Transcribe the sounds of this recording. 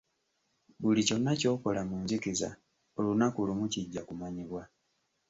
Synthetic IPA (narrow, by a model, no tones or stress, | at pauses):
bulico̞nːaco̞ːko̞lamuɲzikiza̰ | olunakulumuciɟːakumaɲiβwa